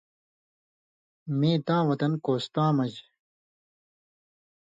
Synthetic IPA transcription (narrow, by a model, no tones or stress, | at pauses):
mẽːt̪ãːwɐt̪ɐnkoːst̪ãːmɐd͡ʑ